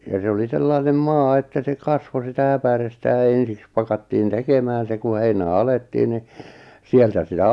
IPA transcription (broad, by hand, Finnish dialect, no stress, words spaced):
jɑ se oli selːɑinem mɑː etːæ se kɑsʋo sitæ æpærestæ jɑ ensiks pɑkɑtːiːn tekemæːn se ku heinæˑ ɑletːiːn ni sieltæ sitæ